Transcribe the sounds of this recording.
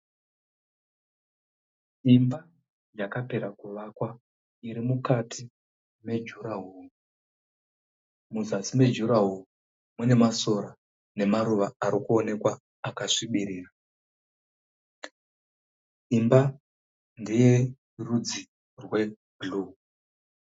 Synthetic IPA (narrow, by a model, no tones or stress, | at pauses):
imba | d͡ʒakape̞ɾakuʋakwa | iɾimukatʰi | me̞d͡ʒuɾaɦuːru | muzasime̞d͡ʒuɾaɦuru | mune̞maso̞ɾa | ne̞maɾuʋaaɾikuo̞ne̞kwaː | kaʂiɓiɾiːra | imba | ndije̞ | rud͡zi | rwe̞ | ɡlu